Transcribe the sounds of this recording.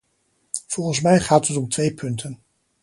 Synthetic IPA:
v̥ɔlˠχəns̬mɛjχaːtɦətɔmtʋejpʰɵntʰən

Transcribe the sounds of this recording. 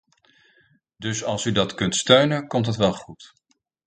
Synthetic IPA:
dɵsɑlˠsydɑtkɵntstøɥnənkɔmtɦətʋɛlˠχut

